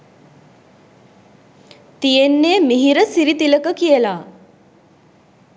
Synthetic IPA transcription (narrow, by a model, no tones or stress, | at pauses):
t̪ijenːeːmiɦiɾəsiɾit̪iləkəkijəla